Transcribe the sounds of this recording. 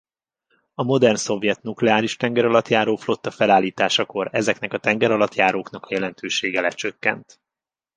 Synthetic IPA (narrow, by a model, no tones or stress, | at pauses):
ɒmo̞d̪ɛrnso̞vjɛt̪nuklɛaːɾiʃt̪ɛŋɡɛɾɒlɒt̪jaːɾoːflo̞t̪ːɒfɛlaːlːiːt̪aːʃɒko̞ɾɛzɛknɛkɒt̪ɛŋɡɛɾɒlɒt̪jaːɾoːknɒkɒjɛlɛnt̪øːʃeːɡɛlɛt͡ʃøkːɛ̰nt̪